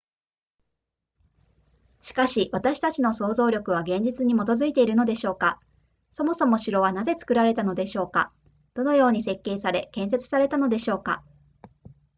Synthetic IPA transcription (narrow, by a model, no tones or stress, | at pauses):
ɕi̥kaɕiβat̪aɕi̥t̪at͡ɕino̞so̞ːzo̞ːɾʲo̞kɯ̟β̞aɡẽ̞ɲ̟d͡ʑit͡sɨɲ̟imo̞t̪o̞zɨit̪e̞iɾɯ̟no̞d̪e̞ɕo̞ːka | so̞mo̞so̞mo̞ɕiɾo̞β̞anaze̞t͡sɨ̥kɯ̟ɾaɾe̞t̪ano̞d̪e̞ɕo̞ːka̰ | d̪̥o̞no̞jo̞ːɲ̟ise̞kːe̞ːsaɾe̞kẽ̞ɰ̃se̞t͡sɨ̥saɾe̞t̪ano̞d̪e̞ɕo̞ːka̰